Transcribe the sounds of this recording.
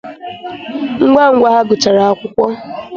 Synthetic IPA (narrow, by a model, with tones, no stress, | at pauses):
ŋ̩˦ɡ͡ba˦ŋ̩˨ɡʷa˦ɦa˦ɡʊ˨t͡ʃa˨ɾa˨a˦kʷʊ˦kʷɔ˦